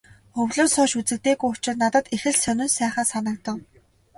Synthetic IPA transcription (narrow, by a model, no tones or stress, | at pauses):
χɵwɮoːsɔːʃut͡sɘ̆k̚t̪eːɣujʊt͡ɕɪ̆t̪nat̪ə̆t̪exɘ̆ɮsœnʲɪ̆nsæːχaːsanə̆k̚t̪ə̆ŋ